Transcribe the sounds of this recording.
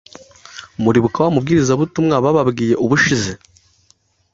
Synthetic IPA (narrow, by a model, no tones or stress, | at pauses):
muɾiβukawamubɡiːɾizaβutumŋaβaβabɡiːje̞ʔuβuʃize